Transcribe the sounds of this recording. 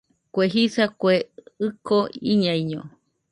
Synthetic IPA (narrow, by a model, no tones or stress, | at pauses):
kʷeɦisakʷeɨkʰoiɲaiɲõ